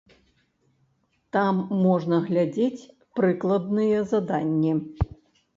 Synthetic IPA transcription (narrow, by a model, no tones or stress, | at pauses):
t̪amːɔʐnɐɣlʲad͡zʲet͡sʲ | pɾɨklˠɐd̪nɨjɛzad̪anʲːɛ